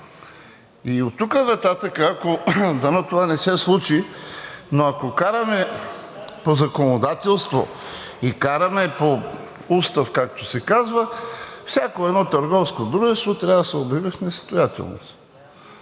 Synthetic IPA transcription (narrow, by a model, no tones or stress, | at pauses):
iot̪ːukənɐt̪at̪əkəakod̪ɐnot̪ovanɛsɛslˠut͡ʃi | noɐkokaɾɐmɛ | pozɐkonod̪at̪ɛlˠst̪vo̰ | ikaɾɐmɛpo | ust̪ɐfkak̚t̪osɛkazvəfsʲjakoɛd̪nɔt̪ɐɾɡɔfskod̪ɾuʒɛst̪vot̪ɾʲavsɛobivəfnɛst̪ojat̪ɛ̰lˠno̰s